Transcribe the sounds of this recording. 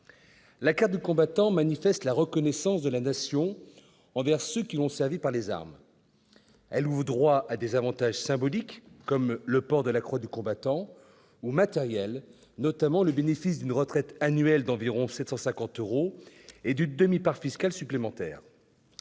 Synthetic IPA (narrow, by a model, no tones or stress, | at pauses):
lakaʁt̪̚d̪ykɔ̃bat̪ɑ̃manifɛst̪laʁəkɔnɛsɑ̃sd̪əlanasjɔ̃ | ɑ̃vɛʁsøkʲilɔ̃sɛʁvipaʁleza̰ʁm | ɛluvʁd̪ʁwaad̪ezavɑ̃t̪aʒsɛ̃bɔlikːɔmləpɔʁd̪əlakχwad̪ykɔ̃bat̪ɑ̃ | umat̪ɛʁjɛl | nɔt̪amɑ̃ləbenefis̬d̪ynʁət̪χɛt̪anɥɛld̪ɑ̃viʁɔ̃sɛt̪sɑ̃sɛ̃kɑ̃t̪øʁoed̪ynd̪əmipaʁfiskalsyplemɑ̃t̪ɛ̰ːʁ